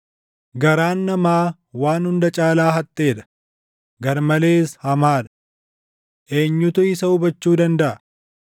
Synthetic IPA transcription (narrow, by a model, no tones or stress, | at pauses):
ɡɐɾaːnːɐmaː | waːnhʊnd̪ɐt͡ʃʼaːlaːɦɐt̪ʼːe̞ːᶑ̪ɐ̥ | ɡɐɾmɐle̞ːshɐmaːᶑ̪ɐ̥ | ʔe̞ːɲːʊt̪ʊɪsɐʊbɐt͡ʃːuːd̪ɐnd̪ɐʔɐ